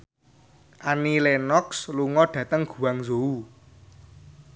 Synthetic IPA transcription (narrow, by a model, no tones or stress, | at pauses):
ʔanilɛnɔksluŋɔɖ̥ä̤t̪əŋɡ̥ṳwaŋzou